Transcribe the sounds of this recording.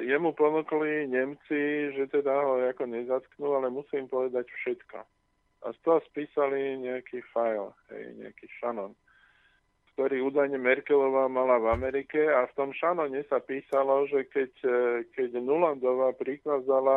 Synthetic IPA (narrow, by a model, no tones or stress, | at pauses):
jɛmupɔnukliɲɛmt͡siʒɛt̪ɛd̪aɦɔakɔɲɛzat̪knualɛmusiːmpɔʋɛd̪acfʃɛt̪kɔ̰ | ʔa̰st̪ɔɦɔspiːsaliɲɛakiːfajlɦɛ̰jɲɛ̰a̰kiːʃanɔn | kt̪ɔɾiːuːd̪ajɲɛmɛɾkɛlɔʋamalavamɛɾikɛaft̪ɔmʃanɔɲɛsapiːsalɔʒɛkɛckɛɟnuland̪ɔʋapɾikazala